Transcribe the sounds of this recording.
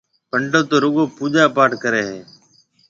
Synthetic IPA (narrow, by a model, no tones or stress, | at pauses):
pəɳɖoːt̪oːɾʊɠoːpuːʄaːpaːɾʈkəɾeːɦeː